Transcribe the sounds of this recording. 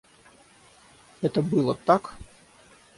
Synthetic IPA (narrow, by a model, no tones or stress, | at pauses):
ɛt̪əbɨlˠət̪ak